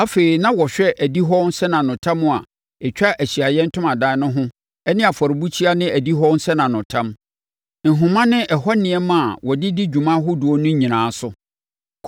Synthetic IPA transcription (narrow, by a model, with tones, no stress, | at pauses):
a˦fe˨ɾi˨nã˦wɔ˨ɕᶣɛ˦ʔæ˨di˦ɦɔ˦n̩˦sɛ˦nã˨nʊ̃˨tʰã˦mʊ̃˦˨a˨ | ɛ˨t͡ɕᶣa˦ʔæ˨ɕi˨a˨jɛ̃˦n̩˦tʰʊ̃˦mã˨dãː˦nʊ̃˦ɦʊ̃˦ | ɛ˦nɪ̃˦a˨fɔ˨ɾɪ˨bu˦t͡ɕʰi˦a˦nɪ̃˦æ˨di˦ɦɔ˦n̩˦sɛ˦nã˨nʊ̃˨tʰã˦m | n̩˨ɦʊ̃˨mã˦nɪ̃˦ʔɛ˨hɔ˦nɪ̃˨ɛ˦mã˦˨a˨wɔ˨dɪ˦di˦d͡ʑu˨mã˦ɦʊ˦dʊ˨ɔ˦nʊ̃˦ɲĩ˨nãː˨˦sʊ˦